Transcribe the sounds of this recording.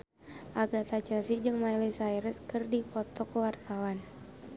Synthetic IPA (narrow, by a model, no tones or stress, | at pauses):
ʔaɡat̪at͡ʃasid͡ʒɨŋmailɛsajɾəskɨrdipɔt̪ɔkəwart̪awan